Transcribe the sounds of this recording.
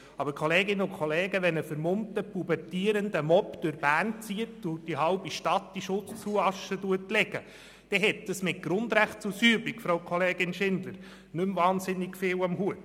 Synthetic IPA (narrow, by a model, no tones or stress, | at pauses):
ɑbəɾkχoleːɡɪnːəʊkχoleːɡəʋɛnəfəɾmʊmtəpubɛrtiːəɾəndəmɔpd̥ʊɾbæːnt͡siətʊd̥iɦɑʊbiʃtɑtd̥iʃʊt͡st͡suɑʃəduətlɛɡ̥ə | d̥ɛɦɛtdəsmɪt̚ɡ̥ɾʊnd̪ɾæχt̚t͡susyːbikfɾoʊkʰχɔleːɡɪnʃɪndləɾ | nɵmvɑːnsɪnːɪɡfɪːwɑmhuət